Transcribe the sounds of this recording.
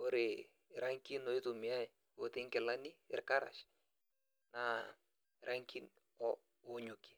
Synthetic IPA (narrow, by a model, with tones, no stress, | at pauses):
o˦ɾe˨ | ɾa˦ŋki˦nɔ˨i˦tu˨mɪ˨a˦j | o˨t̪e˦ŋkɛ˨la˦ni˦ɪ̰˨rka˦ɾa̰˨ʃ | na˨ | ɾʔa˦ŋki˦n | ɔ | ʊ˨ɲʊ˨ki̥˨